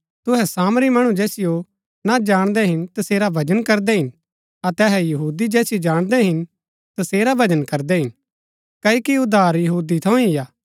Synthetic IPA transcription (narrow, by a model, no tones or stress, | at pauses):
t̪ʊɦɛsaːmɾimɐɽ̃ũd͡ʒɛːsɪjo | nad͡ʒaːɽ̃d̪ɛɦɪnt̪ɐseːɾabʱɐd͡ʒənkɐɾd̪ɛɦɪn | ɐt̪ɛːɦɛjɐɦuːd̪id͡ʒɛːsɪjod͡ʒaːɽ̃d̪ɛɦɪn | t̪ɐseːɾabʱɐd͡ʒənkɐɾd̪ɛɦɪn | kɐːokiʊd̪ʱaːɾjɐɦuːd̪it̪ʰɐũɪjaː